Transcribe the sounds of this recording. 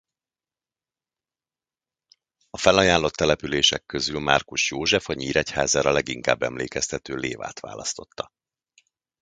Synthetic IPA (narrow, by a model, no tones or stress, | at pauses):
ɒfɛlɒjaːlːo̞t̪ːɛlɛpyleːʃɛ̰kːøzylmarkuʃjoːʒɛfɒɲiːɾɛcha̰ːzaːɾɒlɛɡiŋka̰ːbːɛmleːkɛst̪ɛt̪øːleːva̰ːt̪ʋa̰ːlɒst̪o̞t̪ːɒ